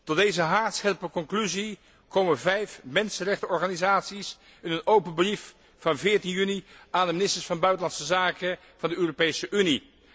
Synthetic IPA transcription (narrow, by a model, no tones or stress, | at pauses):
tɔdejzəɦaːɹtsχɛlpəkɔŋklyzi | kowməvɛjfmɛnsənrɛχtəɔɹχaːnizaːtsis | ɪnənowpənbrif | fɑnvɪːɹtinjyniʔaːndəmɪnɪstəɹsfɑnbœɥtəlɑntsəzaːkə | v̥ɑndəøːropejsəʔyni